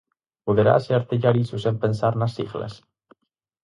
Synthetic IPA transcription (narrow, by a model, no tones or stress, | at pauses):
puðeɾa̰seɾt̪eʎaɾisusempensaɾnasḭɣlḛs